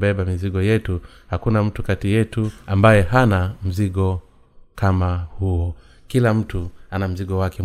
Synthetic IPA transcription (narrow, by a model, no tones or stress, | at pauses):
bɛɓamiziɠɔjɛtu | hakunam̩tukatijɛtuambajɛɦanam̩ziɠɔ | kamahuɔ | kilam̩tuanam̩ziɠɔwakɛ